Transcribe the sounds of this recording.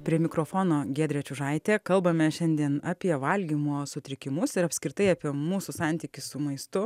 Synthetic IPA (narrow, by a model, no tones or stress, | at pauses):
pʲɾʲiɛmʲɪkɾoːfoːnoːɡʲeːd̪ʲɾʲɛt͡ʃʲʊʒɐɪt̪ʲeːkɐlˠbɐmʲɛʃʲɛnʲd̪ʲiɛnɑpʲiɛʋɐlʲɡʲimuɔsʊt̪ʲɾʲɪkʲɪmʊsɪɾɐpʲsʲkɾʲɪt̪ɐɪɑpʲiɛmuːsʊsɑˑnʲt̪ʲiːkʲɪssʊmɐɪst̪ʊ